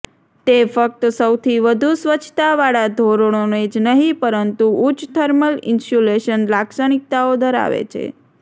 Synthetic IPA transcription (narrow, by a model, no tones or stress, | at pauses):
t̪efək̚t̪səwt̪ʰiʋəd̪ʱusʋət͡ʃʰt̪aʋaɭad̪ʱoɾoɳ̃oned͡ʒnəɦipəɾənt̪uːt͡ʃt̪ʰəɾməlɪ̰nsuleʃənlaksəñik̚t̪aod̪ʱəɾa̰ʋḛt͡ʃʰḛ